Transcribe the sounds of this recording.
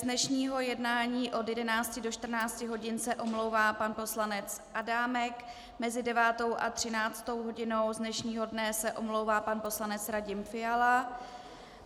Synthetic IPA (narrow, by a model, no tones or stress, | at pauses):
znɛʃɲiːɦo̞jɛdnaːɲiːʔo̞djɛdɛnaːt͡scɪdo̞ʃt̪r̩naːt͡scɪɦo̞ɟɪnsɛʔo̞mlo̞wvaːpanpo̞slanɛt͡sʔadaːmɛk | mɛzɪdɛvaːt̪o̞wʔat̪r̝̥ɪnaːt͡st̪o̞wɦo̞ɟɪno̞wzdnɛʃɲiːɦo̞dnɛsɛʔo̞mlo̞wvaːpanpo̞slanɛt͡sɾaɟɪmfɪala